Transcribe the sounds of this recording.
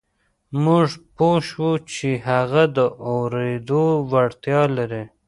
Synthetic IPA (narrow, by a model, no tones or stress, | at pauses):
muʐpoʃwut͡ʃeɦaɣad̪əʔawɾed̪owaɽt̪jɑlaɾe